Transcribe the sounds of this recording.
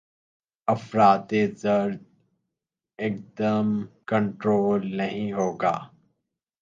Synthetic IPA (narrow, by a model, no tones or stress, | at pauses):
ɐfɾaːt̪ezəɾd̪ | ɪk̚d̪əmkə̃ɳʈɾoːlnəɦĩɦoːɡa̰ː